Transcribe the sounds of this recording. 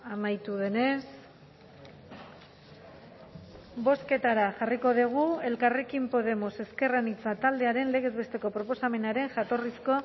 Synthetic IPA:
amajt̪uðe̞ne̞s | bo̞ske̞t̪aɾaʝariko̞ðiɣ̞ue̞lkare̞kimpo̞ðe̞mo̞se̞ske̞ranit͡sat̪ald̪e̞aɾe̞nle̞ɣ̞e̞zβe̞st̪eko̞pɾo̞po̞same̞naɾe̞ŋʝat̪o̞risko̞

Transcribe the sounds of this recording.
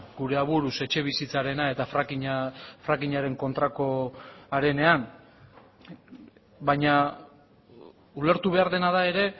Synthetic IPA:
ɡuɾe̞aβuɾuse̞t͡ʃe̞β̞isit͡saɾe̞nae̞t̪afakiɲfɾakiɲaɾe̞ŋko̞nt̪ɾako̞aɾe̞ne̞an | baɲa | ule̞ɾt̪uβ̞e̞aɾðe̞naðae̞ɾe̞

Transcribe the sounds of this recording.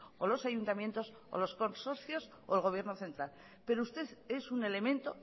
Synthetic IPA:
olo̞sajunt̪amje̞nt̪o̞s | o̰lo̞sko̞nso̞ɾθjo̞s | oelɣ̞o̞β̞je̞ɾnoθe̞nt̪ɾal | pe̞ɾoust̪e̞ðe̞sune̞le̞mẽ̞nt̪o̞

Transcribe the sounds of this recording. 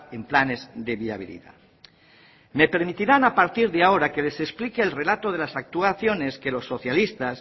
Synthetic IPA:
emplane̞zðeβia̰β̞ḭlḭða̰ | me̞pe̞ɾmit̪iɾanapaɾt̪iɾðeaoɾake̞le̞sesplikeːlre̞lat̪oð̞elasak̚t̪uaθjo̞neske̞lo̞sːo̞θjalist̪as

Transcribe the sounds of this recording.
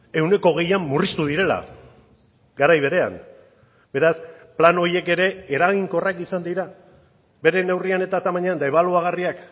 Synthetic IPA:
e̞wne̞ko̞ɣ̞e̞jamːurist̪uðiɾe̞la̰ | ɡaɾajβ̞e̞ɾe̞a̰n | be̞ɾasplano̞ɾje̞ke̞ɾe̞ːɾaɣiŋko̞rakisand̪iɾa | be̞ɾe̞ne̞wriane̞t̪at̪amaɲeand̪aeβaluaɣ̞ariak

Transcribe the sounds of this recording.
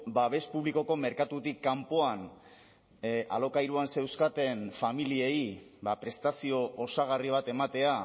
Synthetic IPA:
baβe̞spuβliko̞ko̞me̞ɾkat̪ut̪ikːampo̞an | ʔa̰lo̞kajɾuanse̞wskat̪e̞nfamilieibapɾe̞st̪asio̞ːsaɣ̞ariβ̞at̪e̞mat̪e̞a

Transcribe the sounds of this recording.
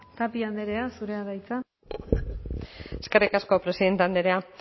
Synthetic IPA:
t̪apiand̪eɾe̞asuɾe̞aðajt͡sa | eskerikasko̞pɾe̞siðe̞nt̪eand̪eɾe̞a

